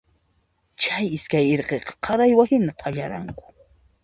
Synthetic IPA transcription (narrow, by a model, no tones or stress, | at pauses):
t͡ʃajɪskajeɾqeqɑ̥qʰɑɾajwahɪnat̪ʰaʎaɾa̰ŋkʊ̥